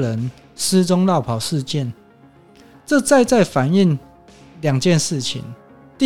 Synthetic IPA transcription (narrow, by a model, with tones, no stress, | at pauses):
lə˨˦n | s̩˥˦t͡so˥˦ŋla˥˨ʊpʰa˨˩ʊʂɻ̩˥˧t͡ɕjɛ˥˨n | t͡sɤ˥˧t͡sa˥˧ɪt͡sa˥˩ɪfa˨˩ni˥˨ŋ | lja˨˩ŋt͡ɕjɛ˥˧nʂɻ̩˥˩˨t͡ɕʰḭ˨˦n | t̪i˥